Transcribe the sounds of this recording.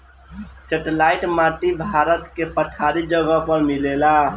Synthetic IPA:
seʈelaiʈmaʈibʱaɾət̪kepəʈʰaɾid͡ʒəɡəpəɾmilela

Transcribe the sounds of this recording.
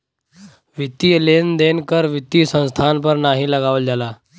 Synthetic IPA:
ʋit̪ilend̪enkəɾʋit̪iːsə̃ñst̪ʰanpəɾnaɦiləɡaʋəld͡zala

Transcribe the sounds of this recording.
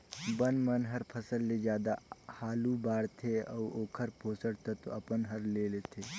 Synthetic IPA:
bənmɐnɦɐɾpʰɐsəlːed͡ʒjaːd̪ahaːlubaːɽt̪ʰeɔːoːkʰəɾpoːsəɽt̪ʰət̪oɐpənɦɐɾleːlet̪ʰeː

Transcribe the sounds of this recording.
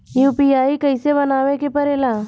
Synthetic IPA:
juːpiaːikəɪseβɐnaːʋẽkepəɾelaː

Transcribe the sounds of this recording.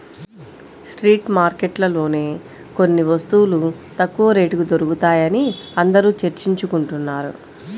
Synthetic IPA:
sʈɾiːʈmaːɾkeʈlɐlo̞ːne̞ː | ko̞nːiʋɐst̪uwːlut̪ɐkːuʋɐɾe̞ːʈukud̪oɾukut̪aːjɐniɐnd̪ɐɾuːt͡ʃeɾt͡ʃiɲt͡ʃukuɳʈunːaːɾṵ

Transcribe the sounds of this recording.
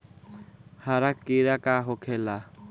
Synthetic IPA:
haɾakːiɾakaɦokʰela

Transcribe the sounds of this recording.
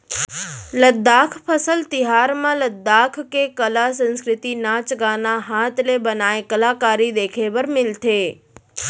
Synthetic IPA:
ləd̪ːakʰpʰəsəlt̪ɪɦaɾmãləd̪ːakʰkekəlasə̃nskɾɪt̪inat͡ʃɡanaɦat̪ʰlebənaekəlakaːɾid̪eːkʰebəɾmɪlt̪ʰeː

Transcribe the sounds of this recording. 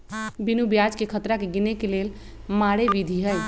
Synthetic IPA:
binubjad͡ʒkekʰət̪ɾakeɡinekelel | maɽeʋid̪ʱiɦəj

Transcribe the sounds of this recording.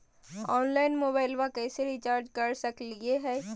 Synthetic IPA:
ɔːnlaːɪnmoːbaːɪlʋakɛːseɾit͡ʃaːɾd͡ʒkɐɾsɐklieɦɛː

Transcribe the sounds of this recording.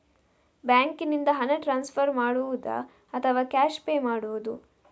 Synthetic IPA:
baːŋkinind̪ɐɦɐnɐʈɾaːnspʰɐɾmaːɽuʋud̪ɐ̰ | ɐt̪ʰɐʋaːkʲaːʃpeːmaːɽuʋud̪u

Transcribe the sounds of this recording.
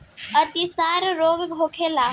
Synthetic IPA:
ət̪isaɾɾoɡɡʱokʰela

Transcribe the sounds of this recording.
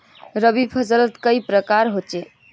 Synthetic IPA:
ɾəbibpʰəsələt̪kəipɾəkaɾɦot͡ʃe

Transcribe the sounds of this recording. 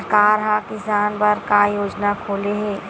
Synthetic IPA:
ɾkaːɾɦãkɪsaːnpɐɾkajoːd͡ʒnakʰoːleɦɛː

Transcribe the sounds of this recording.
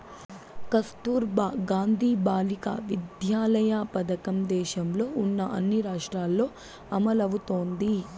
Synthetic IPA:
kɐst̪uːɾbaːɡaːnd̪ʱiːbaːlika̰ʋid̪jaːlɐjaːpɐd̪ɐkɐmd̪ɛːʃɐmlo̞ːunːɐʔɐnːiɾaːʂʈɾaːlːo̞ː | ɐmɐlɐʋut̪o̞ːnd̪i

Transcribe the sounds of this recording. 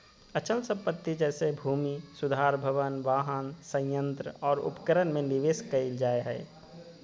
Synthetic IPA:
ət͡ʃəlsə̃mpət̪ːid͡ʒɛːsebʱuːmisʊd̪ʱaːɾbʱəʋənʋaːɦənsə̃jə̃nt̪ɾəɔːɾʊ̰pkəɾənmẽnɪʋeːskɐild͡ʒaːeɦɛ̰ː

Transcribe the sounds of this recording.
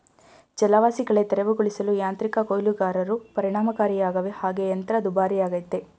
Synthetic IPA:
d͡ʒɛlaʋaːsiɡɐɭe̞t̪ɛɾɐʋuɡuɭisɐlujaːnt̪ɾikɐkojluɡaːɾɐɾupɐɾiɳaːmɐkaːɾijaːɡɐʋehaːɡe̞jɐnt̪ɐɾɐd̪ubaːɾijaːɡɐjt̪ːe

